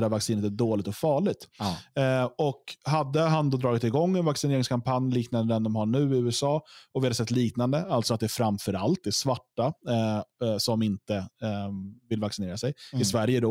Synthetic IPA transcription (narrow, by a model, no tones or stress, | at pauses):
d̪æɾvaksiːnət̪æɖoːlɪɡt̪ɔfɑːɭɪɡ̚t̪ | ɔkɦad̪ːəɦand̪oːd̪ɾɑːɡɪt̪ɪɡɔŋːɛnvaksɪneːɾɪŋskʰampʰanjliːknand̪əɛnd̪ɔmhaɳʉ̟ːɪʉ̟ːɛsɑːɔvɪhad̪əsɛt̪ːliːknand̪əalt̪sɔat̪̚d̪ɛæfɾamfœɾalt̪̚d̪ɛsvaʈːa | sɔmɪnt̪ə | vɪlːvaksɪneːɾasɛjɪsvæɾjəd̪ɔ